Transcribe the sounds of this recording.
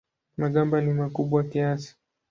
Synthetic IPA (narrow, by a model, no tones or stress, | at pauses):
maɠambanimakuɓwakiasi̥